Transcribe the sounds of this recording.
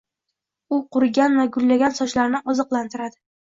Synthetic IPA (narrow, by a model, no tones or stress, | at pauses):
ʊqʊɾɡʲanvaɡʊlːaɡʲansɒt͡ʃlaɾnɪʔɒzɨqlˠant̪ʰɪɾad̪ɪ